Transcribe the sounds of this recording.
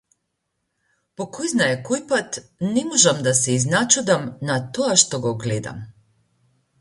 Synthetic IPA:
pokʰojznaekojpat̪nɛmoʒamd̪asɛiznat͡ʃud̪amnat̪oaʃt̪oɡoɡled̪a̰m

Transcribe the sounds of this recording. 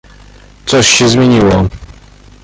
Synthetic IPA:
t̪sɔɕːɛzmʲjeɲiwɔ

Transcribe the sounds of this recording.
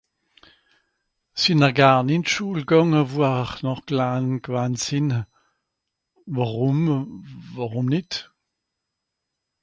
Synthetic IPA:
sinəʁɡaːʁnɪntʃuːlɡɔŋəvuaχnɔχɡ̥laːnɡ̥vantsɪn | vaʁʊm | vaʁumnɪt

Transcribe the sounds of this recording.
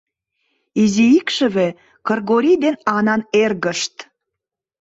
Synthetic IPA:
iziikʃə̆βe | kərɣoɾʲid̪enɑnɑnerɣəʃt̪

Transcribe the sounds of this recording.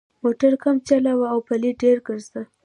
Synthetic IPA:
moʈaɾkamt͡ʃalawaawpaliɖeɾɡəɾzd̪a

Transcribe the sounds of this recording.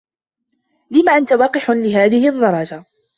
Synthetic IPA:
lɪmaːʔant̪awɑːqɪħlɪɦaːðɪhɪʔd̪ˤːɑɾˤɑd͡ʒa

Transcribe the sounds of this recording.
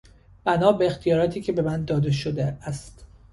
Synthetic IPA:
b̥ænɒːbeext̪ijɒːɾɒːt̪ʰiːcʰʲe̞be̞mænd̪ɒːd̪eʃod̪eæst̪

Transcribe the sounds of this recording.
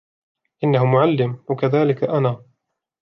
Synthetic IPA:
ʔɪnːahʊmʊʕalːɪmwakaðaːlɪkaʔanaː

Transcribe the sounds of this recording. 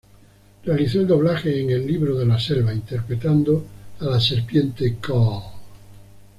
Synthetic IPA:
realiθoeld̪o̞β̞laxeːŋelːiβɾoðelaselβaint̪eɾpɾet̪and̪oalaseɾpjent̪eka

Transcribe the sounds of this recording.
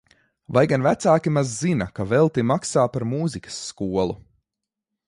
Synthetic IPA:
vajɡanvæt̪saːkʲimazːinakavɛlˠt̪imaksaːpaɾmuːzikɐ̥sːkuɔlˠu

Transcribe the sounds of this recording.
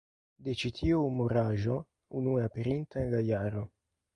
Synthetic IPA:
d̪et͡ʃit̪ʰioumoɾaʒo | unueapeɾint̪aŋɡajaɾo

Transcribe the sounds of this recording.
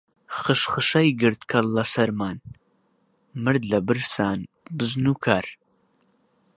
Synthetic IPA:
χɨʃχɨʃɐjɡɨɾt̪kʰɐlːɐsɐɾmaːn | mɨɾd̪lɐbɨɾsaːn | bɨznuːkʰaːɾ

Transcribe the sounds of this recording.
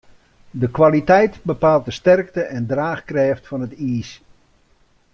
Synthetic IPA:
dəkʋalitɛjtbəpaːlˠt̚dəstɛrk̚təʔɛndraːxkrɛːftfɑnətiːs

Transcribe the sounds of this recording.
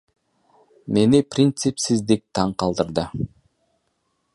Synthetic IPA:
me̞niprʲint̪sɨpsizd̪ik̚t̪ʰɑɴqɑlˠd̪ɯɾd̪ɤ

